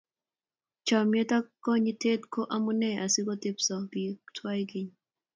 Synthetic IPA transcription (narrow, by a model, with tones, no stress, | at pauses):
t͡ʃɔ˨mje˦ta˦kɔ˦ɲi˦te˦tko˦ʔa˦mu˦nɛ˦ʔa˨sɪ˦ɡo˦t̪e˦psɔ˨ɡi˨tʰwa˦jɡi˦ɲ